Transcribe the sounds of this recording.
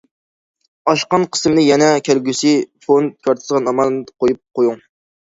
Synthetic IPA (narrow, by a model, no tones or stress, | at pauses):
ɑʃqɑnqʰə̥smnɨjɛnɛkʲʰælɡʲysɪfont̪̚kʰʲɑɾt̪ʰɨzʁɑnɑmɑnˠd̪qojup̚qʰojuŋ